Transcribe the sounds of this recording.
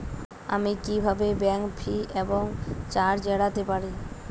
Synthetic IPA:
a̰mikibʱabebɛŋpʰiʔeboŋt͡ɕaɾd͡ʑɛɽat̪epaɾi

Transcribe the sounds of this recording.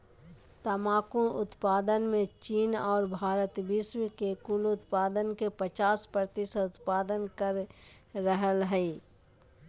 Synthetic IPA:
t̪əmaːkũʊt̪paːd̪ənmẽt͡ʃiːnɔːɾbʱaːɾət̪biswkekʊlʊt̪paːd̪ənkepət͡ʃaːspəɾt̪iseʊt̪paːd̪ənkəɾː | əɦəlɦɛi

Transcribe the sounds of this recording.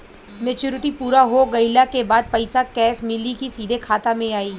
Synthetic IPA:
meːt͡ʃuːɾɪʈipuːɾaɦoɡɐɪlakebaːd̪̚pɐɪsakɛːsmɪlikisiːd̪ʱekʰaːt̪amẽaːiː

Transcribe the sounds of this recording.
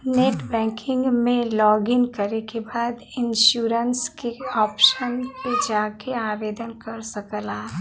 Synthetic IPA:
neːʈbɛ̃ːŋkʰɪ̃ŋɡmẽlɔːɡɪnkəɾekebaːd̪ɪnʃuːɾənskeɔːpʃənped͡ʒaːkeaːʋeːd̪ənkɐɾsɐkəlaː

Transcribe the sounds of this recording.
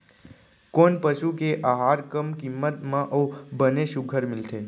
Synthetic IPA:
koːnpəʃukeʔaːɦaːɾkəmkɪmːət̪mãʔoːbəneʃʊɡʱəɾmɪlt̪ʰeː

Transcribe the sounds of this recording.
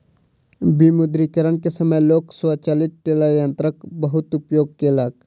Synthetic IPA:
bimʊd̪ɾikəɾənkesəməjloːksʋat͡ʃaːlɪt̪ːelajə̃nt̪ɾəkbəɦʊt̪ʊpjoːɡ̚kelaːk

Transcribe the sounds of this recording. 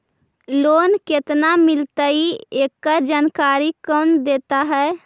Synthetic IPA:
loːnket̪namɪlt̪əiekːəɾd͡ʒaːnkaːɾikɔnd̪eːt̪aɦɛː

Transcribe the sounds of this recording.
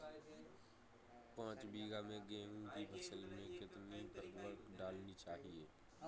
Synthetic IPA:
pãːt͡ʃbiːɡamẽɡẽːɦũkibʱɐsəlmẽkɪt̪nipəɾkwəkɖaːlnit͡ʃaːɦieː

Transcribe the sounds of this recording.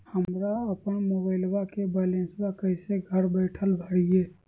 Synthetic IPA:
həmɾaɐpəɳ̃moːbaːɪlwakebɛːlẽːnswakəɪseɡʱəɾbɛːʈʰəlbʱəɽijeː

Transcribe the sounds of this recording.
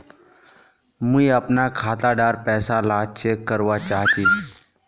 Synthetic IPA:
mũiəpnakʰaːt̪aɖaːɾpɛːsalaːt͡ʃekːəɾʋat͡ʃaːɦt͡ʃiː

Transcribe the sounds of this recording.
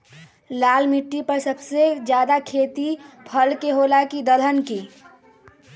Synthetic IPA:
laːlmiʈːipəɾsəbsed͡ʒjaːd̪akʰeːt̪ipʰəlkeɦoːlakid̪əlʱənki

